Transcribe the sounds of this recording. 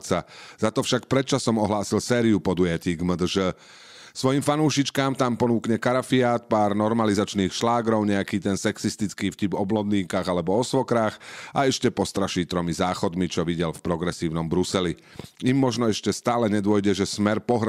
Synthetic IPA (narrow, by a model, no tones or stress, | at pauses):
t͡saz̥at̪ɔfʃakpɾɛt̪̚t͡ʃasɔmɔɦlaːsilsɛːɾiupɔd̪ujaciːɡməd̪əʒə | sʋɔjimfanuːʃit͡ʃkaːmt̪ampɔnuːkɲɛkaɾafiaːt̪̚paːɾnɔɾmalizat͡ʃniːxʃlaːɡɾɔʊɲɛakiːt̪ɛnsɛksist̪it͡skiːfcibɔblɔd̪niːkaɣalɛbɔɔsʋɔkɾaːxaɛʃcɛpɔst̪ɾaʃiːt̪ɾɔmizaːxɔd̪mit͡ʃɔʋiɟɛlfpɾɔɡɾɛsiːʊnɔmbɾusɛli | imːɔʒnɔɛʃcɛst̪aːlɛɲɛd̪ʊɔjɟɛʒɛsmɛɾpɔɦɾ